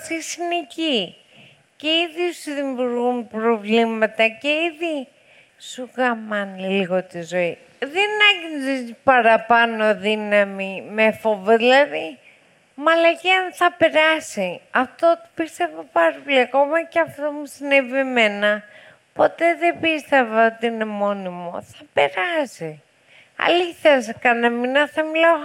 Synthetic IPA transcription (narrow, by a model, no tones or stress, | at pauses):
sisineci | ce̞iðiosiðimuɾɣunpɾo̞vlimɐt̪ɐce̞iði | suɣɐmɐniliɣo̞t̪izo̞i | ðenɐʝinzipɐɾɐpɐno̞ðinɐmimefovoðilɐði | mɐlɐʝeɐnθɐpe̞ɾɐsiɐft̪ot̪i̥pist̪e̞vopaɾɐpoliɐko̞mɐceɐft̪omusinevieme̞nɐ | po̞t̪e̞ðebist̪e̞vɐot̪iine̞mo̞nimo̞̰θɐpe̞ɾɐsi | ɐ̰liθes̬kɐnɐminɐθɐmilɐo